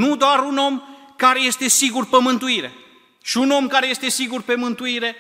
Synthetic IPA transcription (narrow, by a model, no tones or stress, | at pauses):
nud̪oaɾuno̞mkaɾe̞je̞st̪e̞siɡurpəmɨnt̪uiɾe̞̰ | ʃiuno̞mkaɾeje̞st̪e̞siɡurpe̞mɨnt̪uiɾe̞